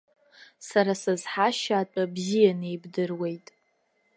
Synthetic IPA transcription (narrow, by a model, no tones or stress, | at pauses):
saɾasazħaʃaːt͡pʷʼabzijanejbdɨrwe̞jtʼ